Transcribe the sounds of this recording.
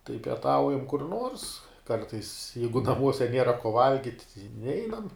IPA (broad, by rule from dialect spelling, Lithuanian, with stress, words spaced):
tɐɪ pʲiɛˈtɐʊjɛm kʊr nuɔrs ˈkɐrtɐɪs ˈjɛɪɡʊ nɐˈmuɔsʲɛ ˈnʲiɛrɐ koː ˈʋɐlʲɡʲɪtʲ ɪ ˈnʲɛɪnɐm